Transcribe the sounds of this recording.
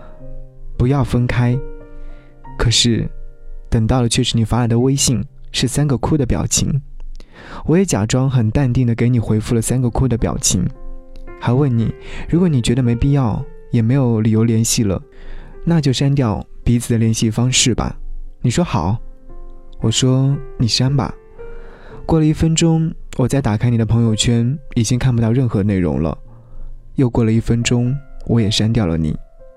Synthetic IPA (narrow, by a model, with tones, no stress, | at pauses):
pu˧˥jɑ˥˩ʊfə˥nkʰa˥ɪ | kʰɤ˨˩ʂɻ̩˥˩t̪ə˨˩ŋt̪ɑ˥˩ʊlə˩t͡ɕʰɥɛ˥˩ʂɻ̩˧˥ni˨˩fa˧˥la˧˥˩d̪ə˧we˥ɪɕi˥˩ŋʂɻ̩˥˩sa˥nɡə˨kʰu˥d̪ə˨pjɑ̰˨˩ʊt͡ɕʰḭ˧˥ŋ | wɔ˧˥jɛ˧˥t͡ɕja̰˨˩ʈ͡ʂwɑ˥ŋxə˨˩nt̪a˥˧nt̪i˥˩ŋd̪ə˩k̬e˧˥ɪni˨˩xwe˧˥ɪfu˥˩lə˩sa˥nɡə˨kʰu˥d̪ə˨pjɑ̰˨˩ʊt͡ɕʰḭ˧˥ŋxa˧˥ɪwə˥˩nni˨˩˦ɻu˧˥kwɔ˧˥ni˨˩t͡ɕɥɛ˧˥d̪ə˧me˧˥ɪpi˥˧jɑ˥˩ʊ | jɛ˨˩me˧˥ɪjo˧˥ʊli˨˩jo˧˥ʊljɛ˧˥nɕi˥˩lə̰˩ | na˥˧t͡ɕjo˥˧ʊʂa˥nt̪jɑ˥˩ʊpi˧˥t͡sʰɹ̩˨˩d̪ə˦ljɛ˧˥nɕi˥fɑ˥ŋʂɻ̩˥˩bɐ̰˩ni˨˩ʂwɔ˥xɑ˨˩˦ʊ | wɔ˨˩ʂwɔ˥ni˨˩ʂa˥nbɐ̰˨˩ | kwɔ˥˩lə˩i˥˩fə˥nʈ͡ʂʊ˥ŋwɔ˨˩t͡sa˥˩ɪt̪a˨˩kʰa˥ɪni˨˩ə˦pʰɤ˧˥ŋjo˧ʊt͡ɕʰɥɛ˥ni˨˩t͡ɕi˥ŋkʰa˥˩npu˧˩ɑ˥˧ʊɻə˥˩nxɤ˧˥ne˥˩ɪɻʊ̰˧˥ŋlə̰˧ | jo˥˧ʊkwɔ˥˩lə˩i˥˩fə˥nʈ͡ʂʊ˥ŋwɔ˧˥jɛ˨˩ʂa˥nt̪̬jɑ˥˩ʊlə̰˦nḭ˨˩˦